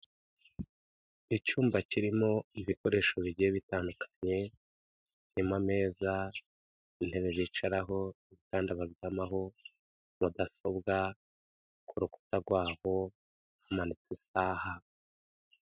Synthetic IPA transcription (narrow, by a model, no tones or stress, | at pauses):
icuːmbaciɾimo̞iβiko̞ɾe̞ːʃoβiɟieβitaːndukʰḁɲe̞ | nimame̞ːza | in̥he̞βe̞βiːt͡ʃaɾaɦo̞iβitaːndaβazɡamaɦo̞ | βudaso̞bɡa | kʰuɾuku̥taɡwaːho̞ | hamanit͡sisaːha